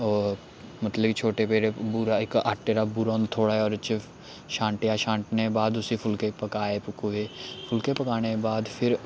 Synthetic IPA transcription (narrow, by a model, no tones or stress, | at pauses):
ɔː | mət̪ləɡt͡ʃʰoːʈeːpeːɾeːbuːɾaɪkaːʈːeːɾaːbuːɾaːnt̪ʰːoːɽaːɛɔːɾt͡ʃ | ʃãːɳʈɪjaːʃãːɳʈnebaːd̪ʊsiːpʰʊlkeːpəkaːeːpkueːpʰʊlkeːpəkaːnebaːd̪pʰɪɾ